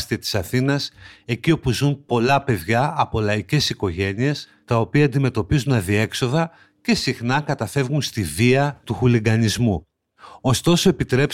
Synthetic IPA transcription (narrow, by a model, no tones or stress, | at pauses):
st̪iɐt̪i̥sɐθinɐse̞ciopuzumpo̞lɐpe̞ðʝɐɐpo̞lɐice̞siko̞ʝe̞nie̞s | t̪ɐo̞piɐːnd̪ime̞t̪o̞pizunɐðie̞kso̞ðɐ | ce̞sixnɐkɐt̪ɐfe̞vɣunst̪iviɐt̪uxuliɡɐnizmu | o̞st̪o̞so̞e̞pit̪ɾe̞p